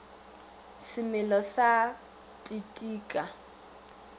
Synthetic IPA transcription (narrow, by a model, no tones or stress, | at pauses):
sɪmɪlɔsa | tʼitʼiːkʼa